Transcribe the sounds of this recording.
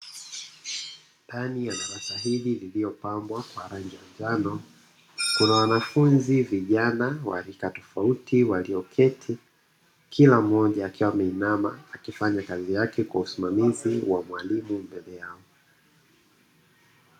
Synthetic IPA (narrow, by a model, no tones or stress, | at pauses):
ndanijanaɾasahilililiɔpambwakwaɾaɲd͡ʒad͡ʒanɔ | kunawanafunziviʄanawa̰ɾikatɔfautʰiwaliɔkʰɛtʰi | kʰilam̩ɔʄaːkiwamɛinama̰ːkifaɲakazijakɛkwausimamiziwamwalimumbɛlɛjaɔ